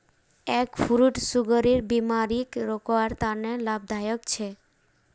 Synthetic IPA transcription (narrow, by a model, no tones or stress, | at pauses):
ɛkfuɾuʈsuɡɔɾiɾbimaɾikɾokɔaɾt̪anelab̚d̪ʱajɔkt͡ɕʰe